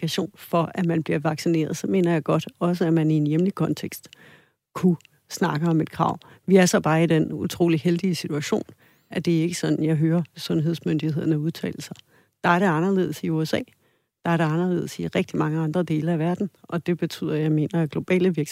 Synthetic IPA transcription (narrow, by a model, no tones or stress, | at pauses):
æɕo̝̰ːnfɒ̽ʔæmænb̥liɐʋɑ̈ɡ̥sine̝̰ːɐð̞ˠsɒ̽me̝̰ːnɐjɑ̈ɪɡ̥ɒ̽d̥ɒ̽s̬əæmænie̝njemlikʰɒ̽nt͡sʰeɡ̥sd̥ | kʰu | snɑ̈ɡ̥əɒ̽me̝d̥̚kʰʁɑ̰̈ʊ̰ʋiæɐsɒ̽b̥ɑ̈ːid̥enut͡sʰʁo̝̰ːliheld̥iəsit͡sʰuæɕo̝̰ːn | ʔæd̥e̝æɐe̝ɡ̥əsɒ̽nn̩jɑ̈ɪɦøːɐsɔ̽nɦe̝ð̞̰ˠsmønd̥ihe̝ð̞̰ˠɐnəuð̞ˠt͡sʰɛ̰ːl̩sɑ | d̥ɑ̈æɐɾe̝ɑ̈nɐle̝̰ð̞̰ˠsiuesɛ̰ː | d̥ɑ̈æɐɾe̝ɑ̈nɐle̝̰ːð̩̰ˠsiʁɛɡ̥̚d̥imɑ̈ŋəɑ̈nd̥ʁɐd̥e̝ːlɐæʋæɐd̥n̩ʔɒ̽d̥e̝b̥e̝t͡sʰy̰ð̰ˠɐjɑ̈ɪme̝̰ːnɐæɡ̥lo̝b̥ɛ̰ːləʋiɐ